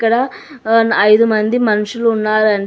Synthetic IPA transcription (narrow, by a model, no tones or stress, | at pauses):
kɐɽɐ | ɐjd̪umɐnd̪imɐnuʂɐluːnːaːɾɐɳ